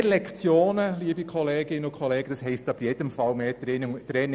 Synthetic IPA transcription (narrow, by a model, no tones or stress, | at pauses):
lɛkʰt͡sjoːnəliːəbikχɔleːɡɪnːəʊkʰɔleːɡ̥əd̥ɑsɦɛɪstɑb̥ɾjɛd̥̪əmfɑlmeːtɾɛn